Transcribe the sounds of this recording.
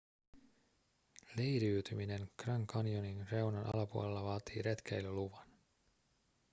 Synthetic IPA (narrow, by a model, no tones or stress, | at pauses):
lejɾiːt̪ymine̞nkrɑŋkɑnijoninre̞wnɑnʔɑ̰lɑpuo̰le̞lːɑʋɑːt̪iːɾet̪k̟ejløluʋɑn